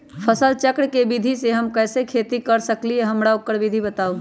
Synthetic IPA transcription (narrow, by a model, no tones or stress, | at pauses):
pʰəsəlt͡ʃəkɽkebid̪ʱiseɦɐmkɛːsekʰeːt̪ikəɾsəkliɦeɦɐmɽaʊkːəɾbid̪ʱibət̪aːo